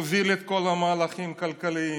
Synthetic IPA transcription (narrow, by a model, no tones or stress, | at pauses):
zilet̪̚kolɐmaːlɐxiːmkɐlkɐli